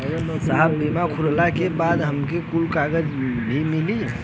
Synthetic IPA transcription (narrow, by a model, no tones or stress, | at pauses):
saɦəbːimakʰullakebad̪ɦəmkekulkaɡəd͡ʒbʱimili